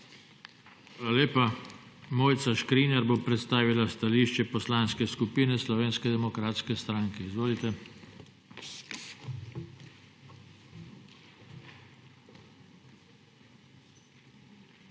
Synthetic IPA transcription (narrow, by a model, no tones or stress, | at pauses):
ʋalaleːpamoːjt̪saʃkɾinɛɾbopɾɛt̪st̪aːʋilast̪aliːʃt͡ʃɛpɔslanskɛskupiːnɛslɔʋeːnskɛd̪ɛmɔkɾaːt̪skɛst̪ɾaŋkɛizʋoːlit̪ɛ